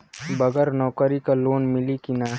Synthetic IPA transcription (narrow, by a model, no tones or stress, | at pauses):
bɐɡəɾnɔːkəɾikaloːnmɪlikinaː